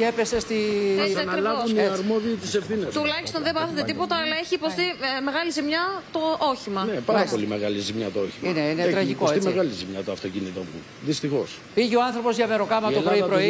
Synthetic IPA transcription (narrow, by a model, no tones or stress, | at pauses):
epese̞st̪iɐnɾlɐounɐɾmoðiːt̪isefθinest̪ulɐçist̪o̞nðebɐθod̪et̪ipo̞t̪ɐːlɐeçiːpo̞st̪ime̞ɣɐlizimɲɐt̪oʔoçimɐnepɐɾɐpo̞limeɣɐlizimɲɐt̪ooçimineinet̪ɾɐʝikoseimeɣɐlizimɲɐt̪oɐft̪ocinit̪ompṵ | ðist̪ixo̞s | piʝioɐnθɾopo̞zʝɐme̞ɾo̞kɐmɐt̪opɾoipɾo̞i